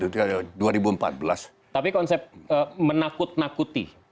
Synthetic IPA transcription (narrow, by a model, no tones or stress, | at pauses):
t̪ut̪uadaduaɾibuəmpa̰t̪̚bəlas | t̪apikɔnsɛp̚əmənakʊt̪̚nakut̪ḭ